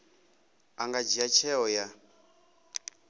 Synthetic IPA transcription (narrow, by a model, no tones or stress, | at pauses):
aŋɡad͡ʒiat͡ʃʰɛɦɔja